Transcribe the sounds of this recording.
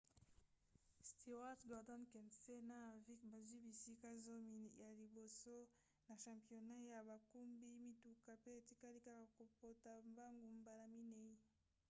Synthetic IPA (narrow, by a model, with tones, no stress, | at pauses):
sti˨wa˦tɡɔ˨dɔ˦nkɛ˨nse˦na˦˨vi˦kba˨zwi˦bi˨si˦ka˦zo˦mi˨nja˨li˨bo˨so˦ | na˨ʃa˨mpi˨o˨na˦ja˨ba˨ku˦mbi˦mi˦tu˨ka˨pe˦e˨ti˦ka˦li˦ka˦ka˨ko˨po˨ta˨mba˦ŋɡu˨mba˨na˨mi˦ne˨i˦